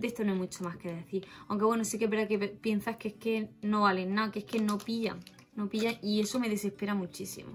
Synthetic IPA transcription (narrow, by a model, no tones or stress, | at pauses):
d̪est̪onoemut͡ʃomahke̞ðe̞θiɾawŋke̞βwe̞nosike̞βe̞ɾðakepje̞nsahkehke̞no̞βalennakeehke̞no̞piʝa̰ŋ | no̞piʝaŋie̞so̞me̞ðe̞se̞hpe̞ɾamut͡ʃisḭmo